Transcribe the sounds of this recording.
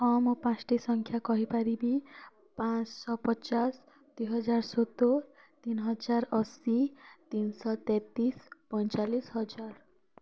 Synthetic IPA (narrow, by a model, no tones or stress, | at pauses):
ɔmopãsʈisɔŋkʰjakɔɦipaɾibi | pãt͡ʃsɔpɔt͡ʃas | d̪̥ujɦɔd͡ʒaɾsot̪o | t̪inɦɔd͡ʒaɾɔsit̪insɔt̪ɛ̃t̪ispɔjt͡ʃalisɦɔd͡ʒaɾ